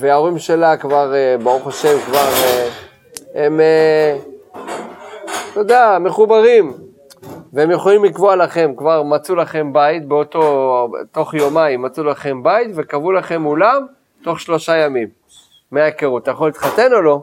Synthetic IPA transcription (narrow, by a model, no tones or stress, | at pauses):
veao̞ʁimʃe̞lakvaʁebaʁuχaʃe̞mkvaʁe | eme | t̪od̪aame̞χubaʁim | veemjoχolimlikvoalaχe̞mkvaʁmat͡sulaχe̞mbait̪̚beot̪o̞t̪o̞χjo̞maimːat͡sulaχe̞mbajit̪ve̞kavulaχe̞mulam | t̪o̞χʃlo̞ʃajamimː | eakeʁut̪ajaχolit̪χat̪e̞no̞lo̞